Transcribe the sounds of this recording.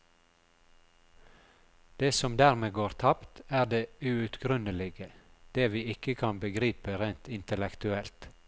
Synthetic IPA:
d̪̥eːsɔmd̪æːʁmeːɡoːɾt̪ʰɑpt̪æːɖeːʉʉt̪ɡɾʉnəlɪɡəd̪̥eːʋiːɪkəkʰɑnbəɡɾiːpəɾeɪnt̪ɪnt̪əlɛkt̪ʉɛlt̪

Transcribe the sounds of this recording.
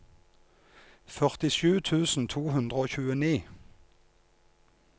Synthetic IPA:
fœʁt̪ɪʃʉːt̪ʰʉːsn̩t̪ʰuːhʉnd̪ʁəoːçʉːəniː

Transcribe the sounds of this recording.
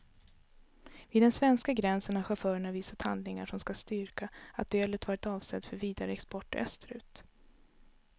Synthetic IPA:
viːd̪ɛnsvɛnskaɡɾɛnsəɳaɧafœːɾəɳaviːsat̪ha̰nd̪lɪŋaʂɔmskast̪ʏɾkaat̪̚d̪øːlət̪vɑːɾɪt̪ɑːvsɛd̪fœɾviːd̪aɾəɛkspɔʈːœ̰st̪ɾʉ̟ːt̪

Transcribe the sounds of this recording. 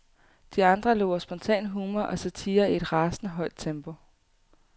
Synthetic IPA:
d̥iɑ̈nd̥ʁɐlo̝ʊɐsb̥ɒ̽nt͡sʰɛ̰ːnɦuːmɐʔɒ̽sæt͡sʰiːɐie̝d̥ʁɑ̈ːsnəɦɒ̽ɪd̥̚t͡sʰemb̥o̝

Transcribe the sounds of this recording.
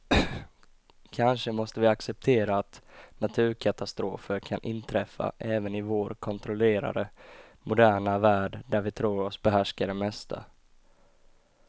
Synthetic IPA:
kʰanʂəmɔst̪əvɪaksɛp̚t̪ʰeːɾaːt̪nat̪ʰʉ̟ːɾkʰat̪ast̪ɾoːfəɾkʰanʔɪnt̪ʰɾɛfːa̰ʔɛːvənɪvoːɾkʰɔnt̪ʰɾɔleːɾa̰ɾəmʊd̪æːɳavæːɖɖæɾvɪt̪ʰɾuːɾɔsbɛɦæʂkaɖɛmɛst̪ʰa̰

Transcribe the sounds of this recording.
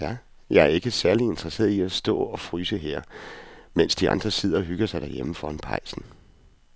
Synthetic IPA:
jæ | jɑ̈æɐe̝ɡ̥əsæɐlie̝nd̥ʁɐse̝̰ːɐð̩ˠiæsd̥ɔ̰̽ːɒ̽fʁyːsəɦeɐ̰men̰sd̥iɑ̈nd̥ʁɐse̝ð̰ˠɐɦyɡ̥ɐsɑ̈ɪd̥æɐjeməfɒ̽enpʰɑ̈ɪ̰sn̩

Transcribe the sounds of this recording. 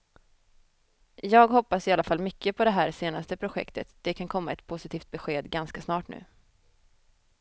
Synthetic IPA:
jɑːɡɦɔpːasɪalafalmʏkʰːəpʰɔd̪ɛɦæːɾseːnast̪əpʰɾʊɧɛ̰kt̪ət̪d̪̥ɛkʰankʰɔmːaɛt̪pʰʊsɪt̪ʰiːft̪̚bɛɧeːd̪ɡanskasnɑːʈnʉ̟̰ː

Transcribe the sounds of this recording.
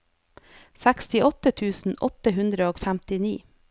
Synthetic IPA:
sækst̪ɪʔɔt̪ət̪ʰʉːsn̩ʔɔt̪əɦʉnd̪ɾəoːfæmt̪ɪnḭː

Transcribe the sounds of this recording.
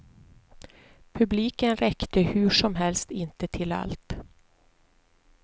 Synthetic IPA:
pʰɵbliːkənɾɛkt̪əhʉʂɔmɦɛlst̪ɪnt̪ət̪ʰɪla̰lt̪

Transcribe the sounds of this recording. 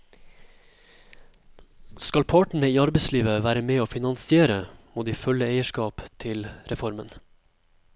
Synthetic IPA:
skɑlpʰɑːʈəɳəiːɑɾbəɪsliːʋəʋæːɾəmeːoːfɪnɑnsɪeːɾəmuːd̪iːfœləeɪəʃkɑːpt̪ʰɪlɾɛfɔɾmə̰n

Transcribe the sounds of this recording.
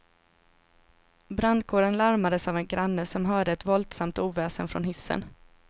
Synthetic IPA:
bɾand̪̚kʰoːɾənlaɾmad̪əsavɛnɡɾanːəsɔmɦœːɖəɛt̪vɔlt̪samt̪uːvɛːsənfɾɔ̰nhɪsːə̰n

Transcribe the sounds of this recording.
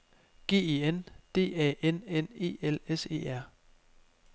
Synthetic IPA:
ɡ̥e̝̰ːe̝end̥e̝̰ːɛ̰ːʔenene̝̰ːelese̝̰ːæɐ̰

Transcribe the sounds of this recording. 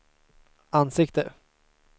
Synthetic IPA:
ansɪkt̪ə

